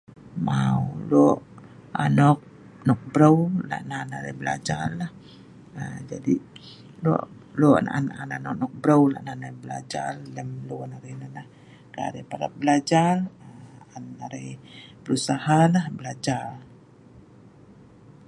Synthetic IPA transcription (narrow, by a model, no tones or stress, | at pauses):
maulɔʔanɔk̚ | nɔk̚bɾəwla̰ʔnanaɾebəla̰d͡ʒarːah | əd͡ʒa̰di | lɔ̰ʔ | lɔʔnaanananɔk̚nɔk̚bɾəwla̰ʔnanabəla̰d͡ʒarːəmloanaɾenalah | kaa̰ɾepaɾa̰bəlad͡ʒarəanaɾejpəɾusahalahbəlad͡ʒar